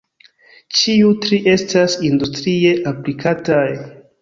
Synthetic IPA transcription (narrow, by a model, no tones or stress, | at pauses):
t͡ʃiutɾiʔe̞stasindustɾie̞ʔaplikʰataj